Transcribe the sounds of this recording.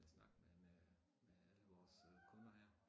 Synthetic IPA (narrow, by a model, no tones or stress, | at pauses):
snɑ̈ɡ̥men | meæləʋɒːskʰɔ̽nɐɦæɐ̰